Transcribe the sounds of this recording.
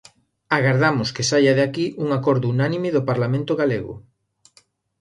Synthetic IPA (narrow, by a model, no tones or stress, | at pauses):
aɣaɾðamʊskesaʎaðeakiʔuŋakɔɾðʊunanimɪðopaɾlamẽnt̪oɣaleɣʊ̰